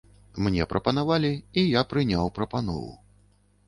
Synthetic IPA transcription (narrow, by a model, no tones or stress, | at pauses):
mnʲɛpɾʔɐpɐn̪avalʲiijapɾɨnʲawpɾɐpanɔ̰vṵ